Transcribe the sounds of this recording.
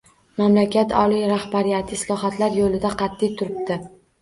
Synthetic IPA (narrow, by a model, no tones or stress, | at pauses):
mamlakʲʰat̪ʰɒ̰lijɾahbaɾijat̪ʰɪslˠɒɦat̪ʰlaɾjolɪd̪aqʰɑt̪ʰːijt̪ʰʊɾɪb̚d̪ɪ